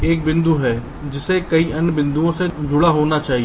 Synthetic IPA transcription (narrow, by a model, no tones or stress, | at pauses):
eːk̚bɪ̃nd̪uːɦɛː | d͡ʒɪsekəiʔənbɪ̃nd̪uõsed͡ʒʊɽaɦoːnat͡ʃaːɦieː